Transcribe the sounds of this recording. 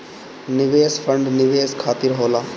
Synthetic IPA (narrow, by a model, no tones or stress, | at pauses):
nɪʋeːsfʰəɳɖnɪʋeːskʰaːt̪iɾɦoːlaː